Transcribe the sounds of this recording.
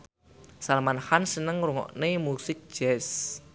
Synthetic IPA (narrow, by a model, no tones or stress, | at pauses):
salmanhansənəŋruŋɔ̰ʔnemusɪk̚d̥d͡ʒ̥ɛs